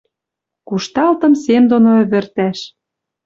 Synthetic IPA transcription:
kuʃt̪ɑlt̪ɤ̆msemd̪onoø̆βɘ̆rt̪æʃ

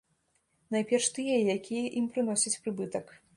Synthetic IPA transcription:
najpʲɛrʂt̪ɨjɛjakʲijɐʔimpɾɨn̪ɔsʲɐt͡sʲpɾɨbɨt̪ɐk

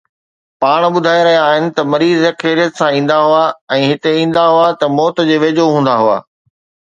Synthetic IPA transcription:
paːɽ̃ɓʊd̪ʱaːjeɾɐɦijaːɦɪnɪ̆t̪ɐmɐɾiːzːɐkʰeːɾijət̪sãĩːn̆d̪aɦʊaɛ̃ːɦɪt̪eĩːn̆d̪aɦʊat̪ɐmɔːt̪d͡ʑeːʋeːd͡ʑoɦũːn̆d̪aɦʊa̰ː

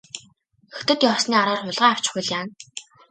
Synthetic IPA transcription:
ɵxt̪ɘ̆t̪jɔːsniːaɾɔːrχʊɮʁaːaw̥t͡ɕɪ̥̆χujɮjaːn

